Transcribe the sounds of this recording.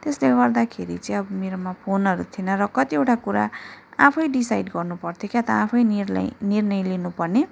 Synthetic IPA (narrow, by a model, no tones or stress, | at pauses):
t̪esleɡʌrd̪akʰeɾḭt͡sʌĩʌbʌmeɾomapʰonɦʌɾut̪ʰinʌrʌkʌt̪iewʈʰakuɾa̰a̰pʰʌjɖisajɖɡʌrnupʌrt̪ʰjokjat̪ʌapʰʌj̰nirnʌjlinupʌrne